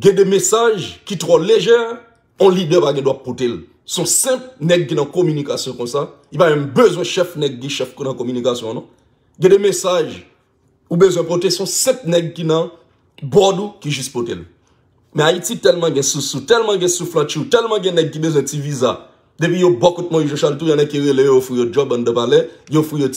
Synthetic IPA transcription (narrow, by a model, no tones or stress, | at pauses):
ɡɛ̃dɛmesaʒkitʁɔleʒɛʁ | ɔ̃lidɛpaɡɛ̃dwapːotel | sɔ̃sɛ̃pnɛɡ̚kinãkɔmynikasjɔ̃kɔ̃sa | ipaɡɛ̃bøzwɛ̃ʃɛfnɛɡ̚kiʃɛfkunãkomynikasjɔ̃nõ | ɡɛ̃demesaʒ | ubøzwɛ̃potesɔ̃sɛ̃t̚nɛɡ̚kinɐ̃ | bɔdukiʒyspotel | mɛ̃aititɛlmɑ̃ɡɛ̃susutɛlmãɡɛ̃suflãt͡ʃiutɛlmãɡɛ̃nɛɡ̚kibezwɛ̃tt͡siviza | d̪epɥijobɔkɔt̪̚moiʒɔ̃ʃalut̬ujãnɛɡ̚kiɣelejojofwijod͡ʒɔbãnd̪əpalejofijo